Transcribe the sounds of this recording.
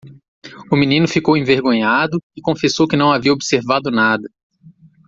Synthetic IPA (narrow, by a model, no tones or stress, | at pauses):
ʊmĩnĩnʊfikowẽveɾɡõɲad̪ʊɪkõfesowkɪnɐ̃w̃aviɐobseɾvad̪ʊnad̪ɐ